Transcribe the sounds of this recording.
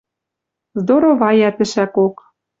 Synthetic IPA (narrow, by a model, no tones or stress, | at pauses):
zd̪oɾoβɑjæt̪ɘ̆ʃækok